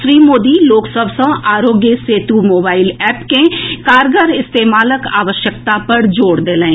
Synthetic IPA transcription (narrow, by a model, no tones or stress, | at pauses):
ʃɾiːmoːd̪iloːksəbʱsə̃aːɾoːɡjəseːt̪umoːbaːɪlɛːpkẽkaːɾɡəɾɪst̪eːmaːləka̰ːʋəʃjək̚t̪apɐɾd͡ʒoːɽd̪eːlẽẽ